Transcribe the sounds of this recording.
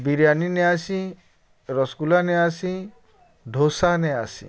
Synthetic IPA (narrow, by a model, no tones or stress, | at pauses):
biɾjanineasĩ | ɾɔskulaneasi | ɖʱosaneasḭ̃